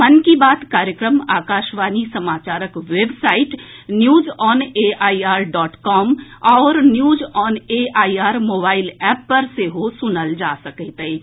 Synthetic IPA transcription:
mɐnkibaːt̪kaːɾjəkɾəmaːkaːʃʋaːnisɐmaːt͡ʃaːɾəkʋeːbsaːɪʈnjuːzɔːneːaːiaːɾɖɔːʈkɔːmɔːɾnjuːzɔːneːʔaːiaːɾmoːbaːɪlɛːpːɐɾseɦosʊnəld͡ʒaːsɐkɛt̪eː

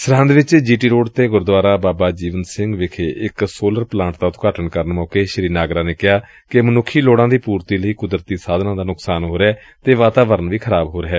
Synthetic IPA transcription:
səɾə̃nd̪ʋɪt͡ʃd͡ʒiːʈiːɾoːɖt̪eːɡʊɾd̪ʊaːɾaːbaːbaːd͡ʒiːʋənsɪŋɡʋɪkʰeːʔɪksoːləɾplãːɳʈt̪aːt̪õ̥ːkəʈəɳkəɾənmɔːkeːʃəɾiːnaːɡɾaːneːkɪɦaː | kemənʊkʰːiːloːɽãːd̪iːpuːɾt̪iːləiːkʊd̪ɾət̪iːsaːd̪nãːd̪aːnʊksaːnɦoːɾɛː | t̪eːʋaːt̪aːʋəɾənʋiːkʰəɾaːbɦoːɾeɦɛː

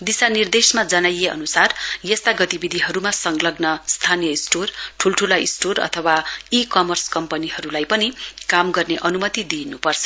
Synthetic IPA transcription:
d̪isanird̪esmad͡zʌnajeʌ̰nusarjʌst̪aɡʌt̪ibid̪ʱiɦʌɾumasʌŋɡlʌɡnʌst̪ʰanijʌisʈorʈʰulʈʰulaḭsʈorʌ̰t̪ʰʌwaikʌmʌrskʌmpʌniɦʌɾulajpʌnikamɡʌrneʔʌnumʌt̪id̪inupʌrt͡sʰʌ̥

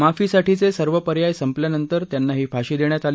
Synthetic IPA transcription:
mafiːsaʈʰit͡sesəɾʋəpəɾjajsəmpljanənt̪əɾt̪janːaɦiːfaɕiːd̪eɳjat̪al

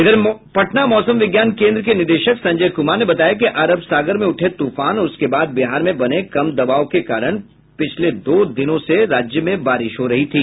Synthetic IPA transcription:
ɪd̪əɾpɐʈnamɔːsə̃mʋɪɡjaːnkẽːnd̪ɾəkenɪɾd̪eːʃəksɐ̃ɲd͡ʒəjkʊmanebɐt̪aːjak̬iʔaːɾəbsaːɡəɾmẽʊʈʰet̪uːfaːnɔʊskebaːd̪̚bɪɦaːɾmẽbɐnekɐmd̪ɐbaːokekaːɾəɽ̃ | pɪt͡ʃʰled̪oːd̪ɪnõseɾaːd͡ʒjəmẽbaːɾɪʃɦoɾɐɦit̪ʰiː

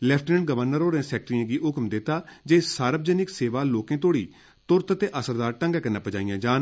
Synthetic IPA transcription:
lɛːpʰʈnəɳɡəʋəɾnəɾoːɾẽːsɛːk̚ʈɾiãːɡiːɦʊkmd̪ɪt̪ːaːd͡ʒeːsaːɾəb̚d͡ʒəːnɪkseːʋaːloːkẽːt̪̬oːɽḭː | t̪ʊɾt̪t̪eːʔəsəɾd̪aːɾʈə̃ŋɡaːkənãːpəd͡ʒaːijãːd͡ʒaːn

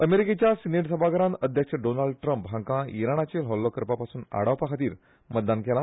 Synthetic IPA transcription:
əmeɾiket͡ɕjasineʈsəbʱaɡəɾãnəd̪ʱjəkʂəɖonalɖ̚ʈɾəmpɦãŋkãiɾaɳ̃at͡ɕelɦɔlːɔkəɾpapasuːna̰ɽaʋpakʰat̪iːɾ | mət̪̚d̪ankɛla

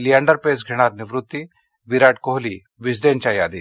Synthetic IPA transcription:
lijãːɳɖəɾpeːsɡʱeɽ̃aːɾnɪʋɾʊt̪ːi | biɾaːʈ̚koɦli | ʋɪsɖeːnt͡ʃaːjaːd̪i

